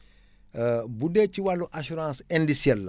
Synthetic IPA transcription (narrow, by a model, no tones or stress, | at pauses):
budɛciwalːuʔaʃuɾãːsɛndisjɛlːɐ